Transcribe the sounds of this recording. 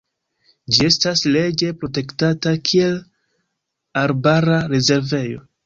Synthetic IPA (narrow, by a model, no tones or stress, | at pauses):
d͡ʒie̞stasle̞d͡ʒe̞pɾo̞te̞ktatakʰie̞l | aɾbaɾaɾe̞ze̞ɾve̞jo̞̰